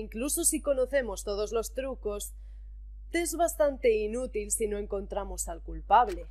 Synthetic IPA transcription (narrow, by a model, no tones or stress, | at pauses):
iŋkluso̞siko̞no̞θe̞mo̞st̪o̞ð̞o̞zlo̞st̪ɾuko̞s | t̪ezβast̪ant̪e̞inut̪ilsino̞e̞ŋko̞nt̪ɾamo̞salkulpaβle̞